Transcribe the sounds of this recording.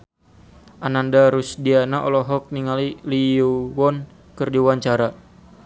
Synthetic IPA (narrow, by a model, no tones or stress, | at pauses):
ʔanandaɾusdianaʔɔlɔɦɔk̚niŋaliliuwɔn | kɨrdiwaɲt͡ʃaɾa